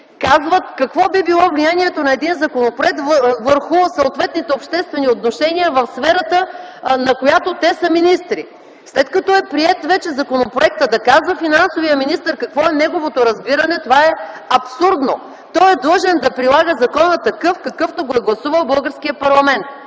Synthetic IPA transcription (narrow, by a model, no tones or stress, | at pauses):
kazvət̪kɐkvɔbibilˠɔvlijaniɛt̪onɐɛd̪inzɐkonopɾoɛk̚t̪vvəɾxʊsɐot̪vɛt̪nit̪ɛopʃt̪ɛst̪vɛniot̪noʃɛniəvɐfsfɛɾət̪ə | nɐkojat̪ot̪ɛsəminist̪ɾi | slɛt̪kɐt̪ɔɛpɾiɛt̪vɛt͡ʃɛzɐkonopɾoɛk̚t̪əd̪ɐkazvəfinansovijəminist̪əɾkɐkvɔɛnɛɡovot̪oɾɐzbiɾənɛt̪ovaɛ | ɐpsuɾd̪no | t̪ɔjɛd̪lˠɤʒɛnd̪ɐpɾilˠaɡəzɐkɔnət̪ɐkɤfkɐkɤft̪oɡoɛɡlˠɐsuvəlˠbɤlˠɡəɾskiəpɐɾlˠɐmɛnt̪̚